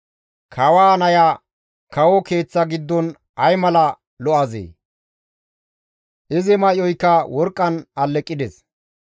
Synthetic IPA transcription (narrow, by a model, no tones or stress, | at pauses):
kʰɐwaːnɐja | kʰɐwɔke̞ːt͡sːɐɡɪd̪ːɔn | ɐjmɐlɐ | lɔʔɐzḛː | ʔɪzɪmɐʔjɔjkːɐwɔɾkʼːɐnɐlːɛkʼːɪd̪ɛs